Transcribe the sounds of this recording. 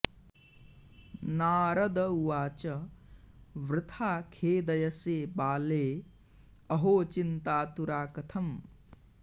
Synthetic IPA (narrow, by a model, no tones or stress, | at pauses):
naːɾɐd̪ɐuwaːt͡ʃɐ | ʋɾɪt̪ʰaːkʰeːd̪ɐjɐseːbaːleː | ɐɦoːt͡ʃint̪aːt̪uɾaːkɐt̪ʰɐm